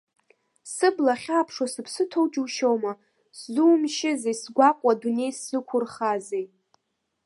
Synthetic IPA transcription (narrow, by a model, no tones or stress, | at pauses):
sɨblaχʲapʰʂwasɨpʰsɨtʰowt͡ʃʼuʃowma | szuːmʃɪzejsɡʷakʷʼadune̞jsːɨkʷʰʊrχazej